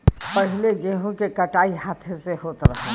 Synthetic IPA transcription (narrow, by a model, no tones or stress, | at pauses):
pɐɦɪleɡeːɦõkekɐʈaːiɦaːt̪ʰeseɦoːt̪ɾɐ̰ɦe